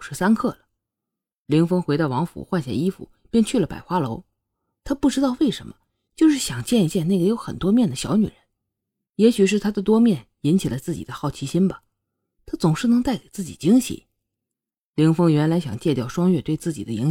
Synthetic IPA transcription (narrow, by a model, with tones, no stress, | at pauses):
ʂɻ̩˥˩sa˥nkʰɤ˥˩lə˩ | li˧˥ŋfɤ˥ŋxe˧˥ɪt̪ɑ˥˩ʊwɑ˧˥ŋfṵ˧˩˥xwa˥˧nɕja̰˥˩i˥fṵ˨˩ | pjɛ˥˧nt͡ɕʰy˥˩lə˩pa̰˨˩ɪxwa˥lo˧˥ʊ | t̪ʰa˥pu˥˩ʈ͡ʂɻ̩˥t̪ɑ˥˧ʊwe˥˩ɪʂə̰˧˥nmə̰˧ | t͡ɕjo˥˧ʊʂɻ̩˥˩ɕjɑ˨˩ŋt͡ɕjɛ˥˧ni˧˥t͡ɕjɛ˥˧na˥˩ɡə˩jo˧˥ʊxə̰˨˩nt̪wɔ˥mjɛ˥˩nd̪ə˩ɕjɑ˧˥ʊny̰˨˩ɻə˧˥n | jɛ˧˥ɕy˨˩ʂ̬ɻ̩˥˩t̪ʰa˥d̪ə˨t̪wɔ˥mjɛ˥˩n | i˧˥nt͡ɕʰi˨˩lə˦t͡sɹ̩˥˩t͡ɕḭ˨˩d̪ə˦xɑ˥˩ʊt͡ɕʰi˧˥ɕi˥nbɐ˨˩ | t̪ʰa˥t͡sʊ˨˩ŋʂɻ̩˥˩nɤ˧˥ŋt̪a˥˩ɪke˨˩ɪt͡sɹ̩˥˩t͡ɕḭ˨˩t͡ɕi˥ŋɕḭ˧˥ | li˧˥ŋfɤ˥ŋɥɛ˧˥nla˧˥ɪɕjɑ˨˩ŋt͡ɕjɛ˥˧t̪jɑ˥˩ʊʂwɑ˥ŋɥɛ˥˧t̪we˥˧ɪt͡sɹ̩˥˩t͡ɕi˨˩d̪ə˦i˧˥ŋ